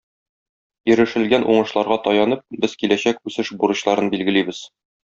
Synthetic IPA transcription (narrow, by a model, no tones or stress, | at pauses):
jɵ̆ɾɘ̆ʃɘ̆lɡænʔuɴɤ̆ʃlˠɑɾʁɑt̪ɒjɑnɤp̚bɘzkilæɕækʉsɘʃbuɾɤ̆ɕlˠɑɾɤnbilɡɘ̆libɘz̥